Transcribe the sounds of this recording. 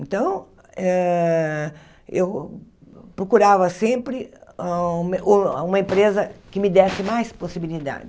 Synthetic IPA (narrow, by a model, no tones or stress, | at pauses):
ẽnt̪ɐ̃w̃ | ɛ | ew | pɾokuɾavɐsẽmpɾɪ̃ | mũmɐẽmpɾezɐkɪmɪd̪ɛsɪmajsposibilid̪a̰d͡ʒɪ